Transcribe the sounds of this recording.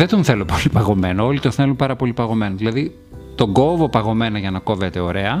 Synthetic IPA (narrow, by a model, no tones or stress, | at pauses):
ðet̪onθe̞lopolipɐɣo̞me̞noo̞lit̪onθe̞lumpɐɾɐpo̞lipɐɣo̞me̞noðilɐði | t̪o̞ŋɡo̞vo̞pɐɣo̞me̞nɐʝɐnɐko̞vet̪e̞o̞ɾe̞ɐ